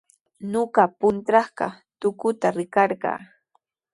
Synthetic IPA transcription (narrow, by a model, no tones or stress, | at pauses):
noɢɑpʊnt̪ɾɑχɢɑ̰ | t̪ʊkʊt̪aɾɪkɑɾɢɑ̰ː